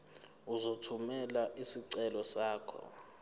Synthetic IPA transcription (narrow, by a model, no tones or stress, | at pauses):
uzotʰumɛlaʔisiǀɛlɔsaːkʰɔ̰